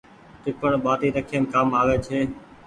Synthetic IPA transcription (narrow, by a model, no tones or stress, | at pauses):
ʈ̪ɪkəɳɓaːt̪iːɾəkʰijənkaːmaːʋeːt͡ʃʰeː